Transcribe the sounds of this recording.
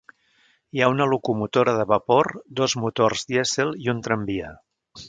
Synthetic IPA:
iaunəlukumut̪oɾəðəβəpoɾd̪ozmut̪orzd̪iɛzelˠiunt̪ɾəmbiə

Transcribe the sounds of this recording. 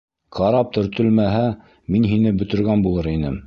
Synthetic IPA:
qʰɑɾɑp̚t̪ʰɵ̆ɾt̪ɵ̆lmæɦæ | minɦinɘbɵ̆t̪ɵ̆ɾɡænbulˠɤɾinɘm

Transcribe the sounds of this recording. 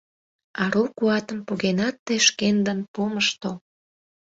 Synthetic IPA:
ɑɾukuɑt̪əmpuɣenɑt̪ːeʃkend̪ənpoməʃt̪o

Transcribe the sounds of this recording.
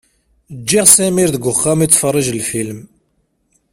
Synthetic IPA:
d͡ʒːiʁsæmiɾðəɡʊχːamit͡sːfərˤːiʒlfilm

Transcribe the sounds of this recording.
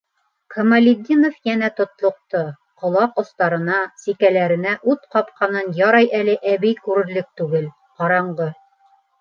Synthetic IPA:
kʰomɐlʲid̪ʲinofjænæt̪ŏt̪lˠŏq̚t̪o | qŏlˠɑqŏst̪ɑɾɤ̆nɑsikælæɾɘ̆næʔʉt̪qɑp̚qɑnɤnjɑɾɑjʔælɘʔæβɘjkʉɾɘ̆ɾlɘk̚t̪ʉɡɘl | qɑɾɑɴɢɤ

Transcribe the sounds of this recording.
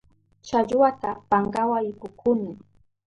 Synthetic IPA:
t͡ʃaʎwat̪apaŋɡawaɪkʊkʰʊnɪ

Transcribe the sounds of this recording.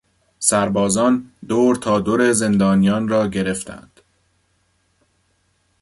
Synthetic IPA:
sæɾbɒːzɒːnd̪oːɾt̪ʰɒːd̪oɾeze̞nd̪ɒːnijɒːnrɒːɟe̞ɾe̞ft̪ʰæ̰nd̪̥

